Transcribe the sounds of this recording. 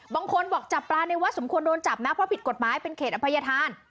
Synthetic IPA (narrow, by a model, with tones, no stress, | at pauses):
baː˧ŋkʰo˧nbɔː˨˩k̚t͡ɕa˨˩pːlaː˧na˧jwa˦˥so˩˦mkʰu˧əndoː˧nt͡ɕa˨˩p̚na˦˥pʰɾɔ˦˥pʰi˨˩t̪̚ko˨˩t̪̚maː˨˦jpe˧nkʰeː˨˩ʔa˧pʰa˧ja˧t̪ʰaː˧n